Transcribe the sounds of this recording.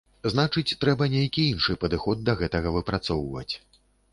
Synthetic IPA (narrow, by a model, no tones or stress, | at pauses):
znat͡ʂɨt͡sʲt̪ɾɛbɐnʲejɐkʲiinʂɨpɐd̪ɨxɔd̪̚ːɐɣɛt̪ɐɣɐvɨpɾat̪sɔwvɐ̰t͡sʲ